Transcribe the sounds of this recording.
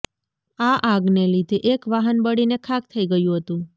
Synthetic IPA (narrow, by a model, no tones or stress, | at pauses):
aʔaɡnelid̪ʱeʔekʋaɦənbəɽinekʰak̚t̪ʰəiɡəjũɦət̪ũ